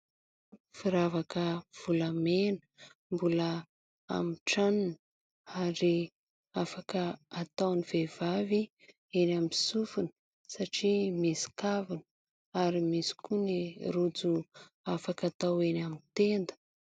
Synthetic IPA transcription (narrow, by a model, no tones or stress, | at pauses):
fiɾavakəv̥uləmenə̥mbulə | a̰miʈ͡ʂanin | aɾi | afakəat̪awnivev̥avi | enamisufunə | saʈ͡ʂimisi̥kavinə | aɾimisi̥kuniɾud͡zu | afakat̪awenamint̪end̪ə̥